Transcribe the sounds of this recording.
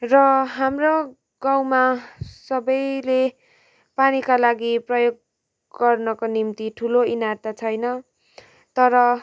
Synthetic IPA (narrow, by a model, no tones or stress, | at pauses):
rʌɦamro | ɡãw̃masʌbʌjle | panikalaɡiprʌjoɡ̚ | ɡʌrnʌkonimt̪iʈʰuloinart̪at͡sʰʌjnʌ | t̪ʌɾʌ